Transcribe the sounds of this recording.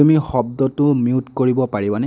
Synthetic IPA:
umixɔb̚dɔtʊmiutkoɹibɔpaɹibanɛ

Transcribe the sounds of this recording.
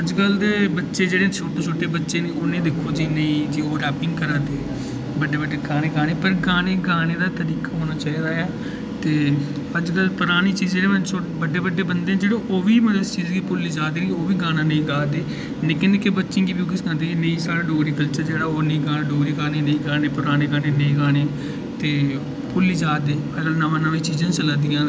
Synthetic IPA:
əd͡ʒkəld̪eːbətːʃeːd͡ʒeːɽẽːt͡ʃʰoːʈeːt͡ʃʰoːʈeːbətːʃeːneʊnẽːd̪ekʰoːd͡ʒiːnəĩːd͡ʒiːoːɾɛːpɪ̃ŋɡkəɾaːt̪eː | bəɖeːbəɖeːɡaːneːɡaːneːpəɾɡaːneːɡaːñeːd̪aːt̪əɾiːkaːɦoːnaːt͡ʃaːiːɾaːɛː | t̪eː | əd͡ʒɡəlpʊɾaːɽ̃iːt͡ʃiːzeːɾeːʋəso | bəɖeːbəɖːeːbənd̪eːãd͡ʒeːɽoːʔoːʋiːmət̪t͡ʃiːzɡiːpʊlːiːd͡ʒaːd̪eːliːoːʋiːɡaːnãːnə̃ĩːɡaːd̪eː | nɪkẽnd̪ekebətːʃɪ̃ːɡiːbik̬ɪskãnd̪eːnəĩːsaːɽaːɖoːɾiːkəlt͡ʃəɾd͡ʒeːɽaːoːnəĩːɡaːnãːɖoːɾiːɡaːneːnəĩːɡaːneːpʊɾaːɽ̃eːɡaːneːnə̃ĩːɡaːñeː | t̪eː | pʊlid͡ʒaːd̪eːəd͡ʒɡəlnəʋãːnəʋẽːt͡ʃiːd͡ʒãːt͡ʃəlãːd̪ɪjãː

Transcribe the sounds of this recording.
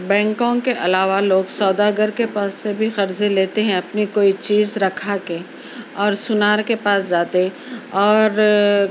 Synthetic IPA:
bɛ̃ːŋkõkeʔɐlaːʋaloːɡsɔːd̪aːɡəɾkepaːsːebʱixɐɾzeleːt̪eɦɛ̃ɐpnikoːit͡ʃiːzɾɐkʰake | ɔːɾsʊnaːɾkepaːsd͡ʒaːt̪e | ɔːɾ

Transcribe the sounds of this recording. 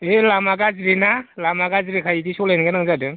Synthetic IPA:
elamaɡazɾinalamaɡazɾikʰajidisɔlajniɡanaŋzadɯ

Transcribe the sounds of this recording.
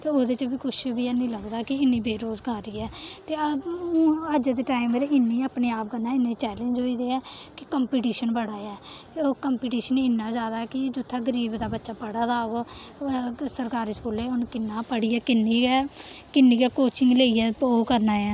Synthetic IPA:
t̪eːoːd̪eːt͡ʃəbiːkʰʊʃbiːɛːnĩːləɡd̪aːkɪɪnːiːbeːɾoːzɡaːɾiːɛːt̪eːəũːəd͡ʒed̪eːʈaːɪmeɾeɪnːiːapneːaːp̚ɡənːaːɪnːeːt͡ʃɛːlẽnd͡ʒoːiːd̪eːɛːkɪkəmpiːʈ̬iːʃənbəɽaːɛːt̪eoːkəmpiːʈiːʃənɪnːaːd͡ʒaːd̪aːɛːkɪd͡ʒʊt̪ʰːaːɡəɾiːbd̪aːbətːʃaːpəɽaːd̪aːɡoː | səɾkaːɾɪsboːleːʊnkɪnːaːpəɽiːɛːkɪnːiːɡɛːkɪnːĩːɡɛːkoːt͡ʃɪŋɡleːiːɛːoːkəɾnaːjaː

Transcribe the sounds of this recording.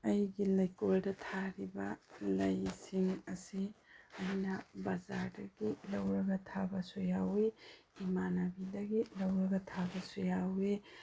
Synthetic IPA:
ɐjɡilɐjkoldɐtʰaɾibɐlɐjsiŋɐsiɐjnɐbɐzaɾdɐɡ̥ilɐwɾɐɡɐtʰabɐsojawe | imanabidɐɡilɐwɾɐɡɐtʰabɐsojawe

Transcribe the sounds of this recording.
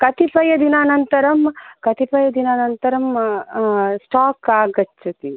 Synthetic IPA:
kɐt̪ipɐjɐd̪inaːnɐnt̪ɐɾɐmkɐt̪ipɐjɐd̪inaːnɐnt̪ɐɾɐm | sʈaːkaːɡɐt͡ʃʰːɐt̪i

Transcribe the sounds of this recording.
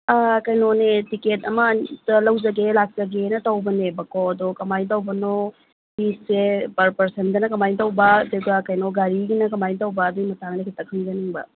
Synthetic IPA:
akɐjnonetiketɐmɐtɐlɐwd͡ʒɐɡelak̚zɐɡenɐtɐwbɐnebɐkoɐdɔkɐmajtɐwbɐno | hisepɐɾpɐɾsendɐnɐkɐmajntɐwbɐdeɡɐkɐjnoɡaɾiɡinɐkɐmajntɐwbɐːdujmɐtʰaŋnɐkʰitɐkʰɐmɡɐniŋbɐ̰

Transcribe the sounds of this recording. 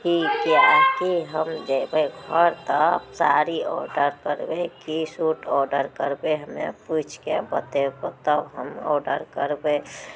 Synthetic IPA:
hikiakiɦəmd̪ebeɡʱɔɾt̪əsaɾiɔ̰ɾɖəɾkəɾbekisuʈɔɾɖəɾkəɾbeɦəmḛput͡ʃʰkebət̪ekot̪əɦəmɔ̰ɾɖəɾkəɾbe

